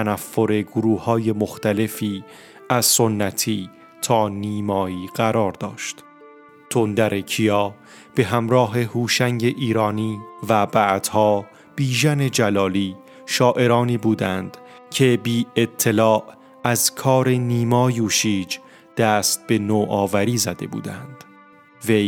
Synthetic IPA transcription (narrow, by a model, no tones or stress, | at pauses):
ænæfːo̞ɾe̞ɡoɾuːhɒːje̞moxt̪æle̞fiː | æzsonːæt̪ʰiː | t̪ʰɒːniːmɒːiːɢ̥æɾɒːɾd̪ɒːʃt̪ | t̪ʰond̪æɾʔe̞cʰijɒː | b̥e̞ɦæmɾɒːɦe̞huːʃæŋɟeʔiːɾɒːniːvæbæʔd̪̥hɒː | b̥iːʒæne̞d͡ʒælɒːliː | ʃɒːʔe̞ɾɒːniːbuːd̪ænd̪̥ | cʰe̞biːe̞t̪ʰːe̞lɒːʔ | æzkʰɒːɾe̞niːmɒːjuːʃiːd͡ʒ | d̪̥æst̪̚b̥e̞noːʔɒːvæɾiːzæd̪e̞̰bṵːd̪æ̰nd̪̥ | vej